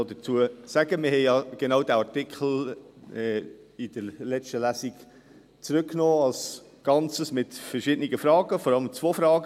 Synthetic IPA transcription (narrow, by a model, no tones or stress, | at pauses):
odət͡suəsæɡ̥əmɪhɛɪjɑɡ̥enaʊdæɑtɪkʰl̩ɛ | ɪd̥əɾlɛt͡ʃtəlæːsiɡ | t͡sɾʏkːnoːɑls | ɡ̥ɑnt͡səsmɪtfəɾʃɪd̥əniɡəfɾɑːɡəfɔɾɑləmt͡svoːfɾɑːɡə